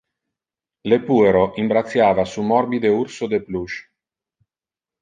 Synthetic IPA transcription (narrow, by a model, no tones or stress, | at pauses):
lepueɾoʔimbɾat̪sːjaːvasumɔrbid̪eursod̪epluʃ